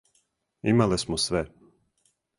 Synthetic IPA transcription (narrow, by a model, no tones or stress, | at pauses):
ḭmalˠɛsmusvɛ